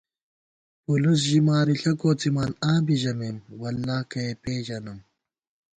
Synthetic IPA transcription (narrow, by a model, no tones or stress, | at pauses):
pulus̬ʑimaːɾiɬɐkoːt͡simaːnaːbiʑɐmemwɐlːaːkɐepeːʒɐnɐm